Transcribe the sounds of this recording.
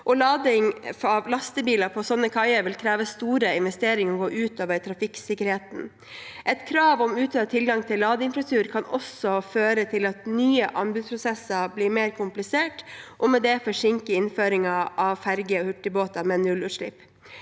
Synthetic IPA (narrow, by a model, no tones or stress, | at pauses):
ʔɔlɑːd̪ɪŋɑʋlɑst̪əbiːlɑpʰɔsɔnːəkʰɑɪəɾʋɪlkʰɾeːʋəst̪uːɾəɪnʋɛst̪eːɾɪŋɔɡoːʔʉːt̪oːʋəɾʈ̪ʰɾɑfɪksɪkːəɾheːt̪n̩ | ʔɛt̪kʰɾɑːʋɔmʉːt̪ʰøːt̪ʰɪlɡɑŋt̪ʰɪlːɑːd̪əɪnfɾɑt̪ʰʉːɾkʰɑnɔsɔføːɾət̪ʰɪlɑt̪nyːəʔɑnbʉːd̪spʰɾʊsɛsəbliːmeːɾkʰʊmplɪseːʈʔɔmɛd̪ɛfɔʂɪŋkəɪnføːɾɪŋɑʔɑʋfæɾɡəɔhʉʈːəboːt̪ɑmɛnʉlʉːt̪ʂɭɪ̰pː